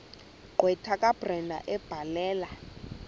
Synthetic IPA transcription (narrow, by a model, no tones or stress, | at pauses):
ǃwɛtʰakʼab̥rɛndʱa̰ʔɛb̥ʱalɛːla